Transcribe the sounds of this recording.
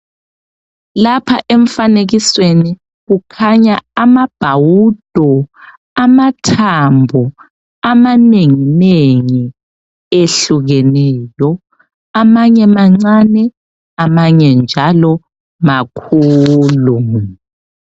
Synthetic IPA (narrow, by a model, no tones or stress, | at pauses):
lapʰa̰ʔeɱfaneɣisweni | ɣukʰaɲaamab̥ʱawud̥ʱɔ | amatʰambʱɔ | amaneŋineŋi | eɬuɣɛnɛːjɔ | amaɲɛmaŋ͡ǀanɛ | amaɲɛnd͡ʒʱalɔ | makʰuːlu